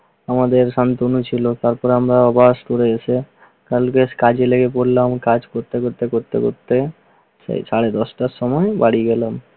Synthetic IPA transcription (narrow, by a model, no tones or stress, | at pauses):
amad̪eɾʃant̪onut͡ɕʰilot̪aɾpɔɾamɾaɔbaʃt̪oɽeesʰe | kalkeskad͡ʑeleɡepoɽlamkad͡ʑkoɾt̪ekoɾt̪ekoɾt̪ḛko̰ɾt̪e | ssaɽed̪ɔsʈasɔmɔebaɽiɡɛlam